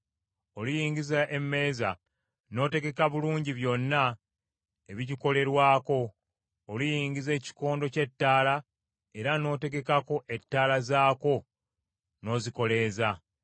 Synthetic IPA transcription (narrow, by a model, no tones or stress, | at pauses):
o̞lijiːɲɟizaʔe̞mːe̞ːza̰ | no̞ːte̞ɡe̞kaβuluːɲɟiβjo̞nːa | e̞βiɟiko̞le̞ɾwaːko̞ː | lijiːɲɟize̞ːci̥ko̞ːndo̞ce̞tːaːla | e̞ɾano̞ːte̞ɡe̞kako̞ʔe̞tːaːlazaːko̞ | no̞ːziko̞le̞ːza